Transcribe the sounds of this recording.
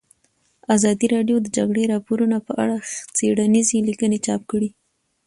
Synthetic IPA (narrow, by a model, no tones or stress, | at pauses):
azɑd̪iɾɑɖjod̪əd͡ʒaɡɽeɾɑpoɾunapəʔa̰ɽat͡seɽanizelikənet͡ʃɑp̚kəɽi